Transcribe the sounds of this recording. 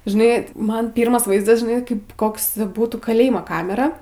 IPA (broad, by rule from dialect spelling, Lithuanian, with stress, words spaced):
ʒʲɪˈnɐɪ ˈmɐn ˈpʲiːrmɐs ˈʋɐɪzdɐs ʒʲɪˈnɐɪ ˈkɐɪp ˈkoːks ˈbuːtuː kɐˈlʲeːjmoː ˈkɑːmʲɛrɐ